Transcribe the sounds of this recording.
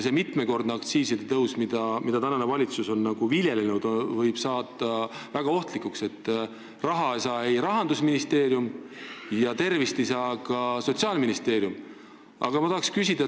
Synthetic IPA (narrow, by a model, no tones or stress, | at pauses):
semit̪ˑme̞ko̞rd̪neɑkt̪siːsid̪et̪ɤwsmid̪̥ɑmid̪ɑt̪ænɑnevɑlʲit̪suso̞nːɑɡ̥uvilʲje̞lenud̪̥vɤjb̥sɑːt̪ːˑɑvæɡ̥ɑo̞ht̪likːˑukse̞t̪ˑː | rɑɦɑesɑːejɾɑɦɑnd̪usminist̪e̞ːɾjumjɑt̪e̞rvist̪ejsɑːkɑso̞t̪siɑːlminist̪e̞ːɾjum | ɑ̰ɡ̥ɑmɑt̪ɑɦɑkskysʲid̪̥ɑ